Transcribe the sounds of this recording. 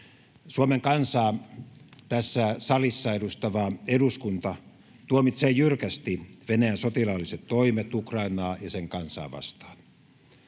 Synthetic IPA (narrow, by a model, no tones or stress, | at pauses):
suomeŋkɑnsɑː | t̪æsːæsɑlisːɑedust̪ɑʋɑeduskunt̪ɑ | t̪uomit̪seːjjyrkæst̪iʋenæjænsot̪ilɑlːiset̪toimet̪ukrɑinɑːjɑseŋkɑnsɑ̰ːʋɑ̰st̪ɑ̥ːn